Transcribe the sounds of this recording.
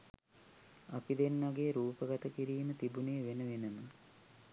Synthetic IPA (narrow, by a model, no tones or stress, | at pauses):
apid̪enːɐɡejːɾuːpəɡat̪əkiɾiːmət̪ibuneːʋenəʋenəmə